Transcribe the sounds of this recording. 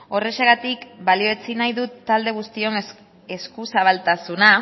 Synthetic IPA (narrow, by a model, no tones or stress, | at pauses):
o̞re̞ʃaɣat̪ikbalio̞et͡sinajðut̪ːald̪e̞ɣ̞ust̪io̞n | e̞skusaβalt̪asuna